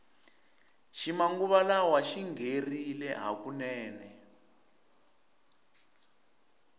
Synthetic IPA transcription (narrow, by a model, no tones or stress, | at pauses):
ʃimaŋɡuβalawaʃiŋɡerilɛɦa̰kunɛːnɛ